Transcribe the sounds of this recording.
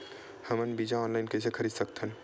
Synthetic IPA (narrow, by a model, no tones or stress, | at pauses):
hɐmənbiːd͡ʒaɔːnlaɪnkesekʰəɾiːd̪səkt̪ən